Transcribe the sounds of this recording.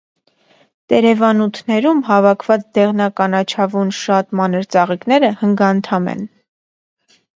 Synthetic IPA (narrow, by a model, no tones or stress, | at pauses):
t̪ɛɾɛvɑnut̪ʰnɛɾumɦɑvɑkʰvɑt͡sd̪ɛʁnɑkɑnɑt͡ʃʰɑvunʃɑt̪mɑnəɾt͡sɑʁiknɛɾəhəŋɡɑnt̪ʰɑmɛ̰n